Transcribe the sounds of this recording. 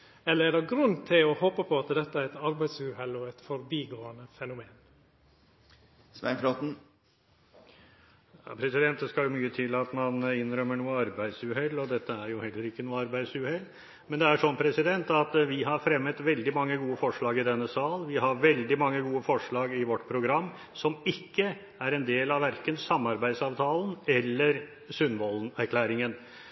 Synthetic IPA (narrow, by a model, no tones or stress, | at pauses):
ɛlːəɾæɖɛɡɾʉnːt̪ʰɪlɔhɔːpəpʰɔɑt̪d̪ɛt̪ːəæɾɛt̪ɑɾbæɪd̪sʉhɛlːɔɛt̪fɔɾbiːɡoːənəfɛnʊmeːn | sʋæ̰nfɾɔt̪n̩ | ɑ̰pʰɾɛsɪd̪ɛnt̪̚d̪ɛskɑljʊmyːət̪ʰɪlɑt̪mɑnɪnɾœmːəɳuːəɑɾbæɪd̪sʉɦɛlːɔd̪ɛt̪ːəæɾjʊhɛlːəɾɪkːənuːəɑɾbæɪd̪sʉhɛlː | mɛnd̪ɛæʂɔnpʰɾɛsɪd̪ɛnt̪ɑt̪ʋɪɦɑɾfɾɛmːət̪ʋɛld̪ɪmɑŋːəɡuːəfɔʂɭɑːɡɪd̪ɛnːəsɑːlʋɪɦɑɾʋɛld̪ɪmɑŋːəɡuːəfɔʂɭɑːɡɪʋɔʈːpʰɾʊɡɾɑmː | sɔmɪkːə | æɾɛnd̪eːlɑʋæɾkənsɑmːɑɾbæɪd̪sɑːʋt̪ʰɑːln̩ɛlːəɾ | sʉnʋɔlnæɾkʰlæːɾɪŋən